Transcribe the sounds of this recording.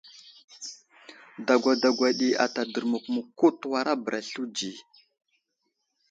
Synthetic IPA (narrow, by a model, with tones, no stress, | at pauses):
da˨ɡʷa˨da˨ɡʷa˨ɗi˨a̰˨ta˨də˨ɾmu˨kmu˨ku˦twa˦ɾa˦bə˨ɾa˨ɬu˦d͡ʒi˨